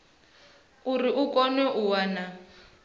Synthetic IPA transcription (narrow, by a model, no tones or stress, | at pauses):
uriʔukɔnɛʔuwaːna